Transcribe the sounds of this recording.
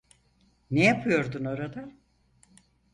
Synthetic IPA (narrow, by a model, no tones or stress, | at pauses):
nejapʰɯjo̞ɾd̪unoɾad̪a